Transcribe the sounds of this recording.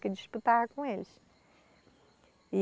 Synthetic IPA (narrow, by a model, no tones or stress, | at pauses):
kɪd͡ʒiʃput̪avɐkõelɪʃ | i